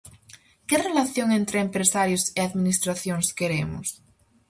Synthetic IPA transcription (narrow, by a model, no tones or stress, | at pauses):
kerelaθjoŋẽnt̪ɾeːmpɾesaɾjoseaðmĩnist̪ɾaθjoŋskeɾemo̰s